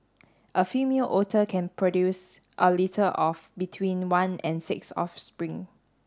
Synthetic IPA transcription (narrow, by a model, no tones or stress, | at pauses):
ʔəfimiəlʔɔtʰəkʰɛ̃npʰɹɔdjus | ʔəlitʰəʔɔfbitʰwĩnwãnɛ̰̃nsɪksɔ̰fspɹĩŋ